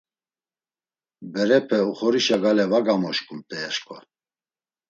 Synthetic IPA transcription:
bɛɾɛpʰɛuχɔɾiʃaɡalɛvaɡamɔʃkʼumt̪ʼɛːʃkʰʼɔ̰

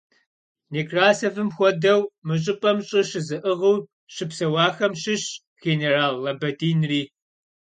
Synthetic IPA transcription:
niːkraːsɐvɨmxʷɔdɐwmɨɕʼɪpʼɐmɕʼɪɕɪzɨʔɨʁuw | ɕɨpsɐwɑːxɐmɕɪɕ | ɣ̥eneːraːlːɐbɐdiːnriː

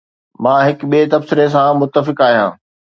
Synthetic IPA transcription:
mãːɦɪkɓiet̪ɐbsɪɾes̬ãmʊt̪ːəfɪkaːɦijã̰ː

